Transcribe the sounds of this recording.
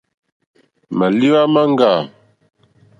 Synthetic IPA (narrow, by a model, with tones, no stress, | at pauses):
ma˨li˦wa˦ma˦ŋ˦ɡa˨